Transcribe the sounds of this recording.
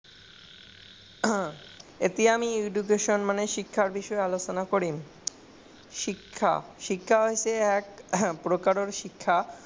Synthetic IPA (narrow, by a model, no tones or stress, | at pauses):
et̪iamiuɖuɡeʃonmaneʃikʰːaɾbiʃɔealot͡ɕonakoɾi | ʃikʰːa̰ʃikʰːaoet͡ɕʰeɛkpɾokaɾoɾʃikʰːa